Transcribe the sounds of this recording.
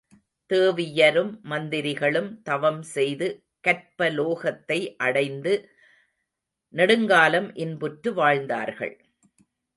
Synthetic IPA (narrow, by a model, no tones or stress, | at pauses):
t̪eːʋɪjɐɾɯmːɐnd̪ɪɾɪɣɐɭɯmt̪ɐʋɐmsɛjðɯ | kɐrpɐloːɣɐt̪ːɐɪʔɐɽɐɪnd̪ɯ | nɐɽɯŋɡaːlɐmʔɪnbʊʈɾɯʋaːɻnd̪a̰ːɾɣɐ̰ɭ